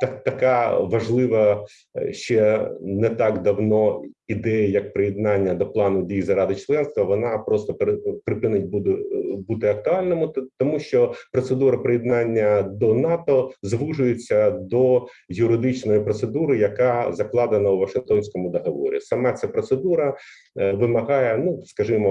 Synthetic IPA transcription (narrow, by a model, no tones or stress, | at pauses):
t̪ɐt̪ɐkɑʋɐʒlˠɪʋɐ | ʃt͡ʃɛnɛt̪ɑkd̪ɐwnɔid̪ɛjɐjɐk̚pɾɪjɪd̪̚nɑnʲːɐd̪ɔplˠɑnʊdʲijzɐɾɑd̪ɪt͡ʃlˠɛnst̪ʋɐʋɔnɑpɾɔst̪ɔppɾɪpɪnɪt̚ʲb̪but̪ɪɐk̚t̪ʊɑlʲnɔmʊt̪ɔmuʃt͡ʃɔpɾɔt̪sed̪uɾɐpɾɪjɪd̪nɑnʲːɐd̪ɔnɑt̪ɔzʋuʐʊjɪt͡sʲːɐd̪ɔ | jʊɾɪd̪ɪt͡ʃnɔjipɾɔt̪sed̪uɾɪjɐkɑzɐklˠɑd̪eɪnɐwʋɐʃɪŋkt̪ɔnʲsʲkɔmʊd̪ɔɦɐʋɔ̰ɾʲḭsɐmɛt̪sɛpɾɔt̪sed̪uɾɐ | ʋɪmɐɦɑjɛnuskɐʒɪmɔ